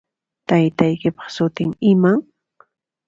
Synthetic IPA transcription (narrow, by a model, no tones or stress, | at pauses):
t̪ajt̪ajkɪpɑ̥χsʊt̪ɪŋɪmaŋ